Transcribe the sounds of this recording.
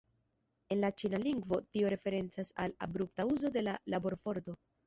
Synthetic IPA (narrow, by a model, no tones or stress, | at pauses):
e̞nlat͡ʃinaliŋɡvo̞tio̞ɾe̞fe̞ɾe̞nt͡sasa̰la̰bɾup̚tauzo̞de̞lalabo̞ɾfo̞ɾdo̞